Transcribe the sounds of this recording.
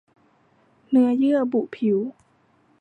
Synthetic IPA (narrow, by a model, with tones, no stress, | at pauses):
nɯ˦˥ɐjɯ˥˩ɐəbu˨˩pʰi˩˦w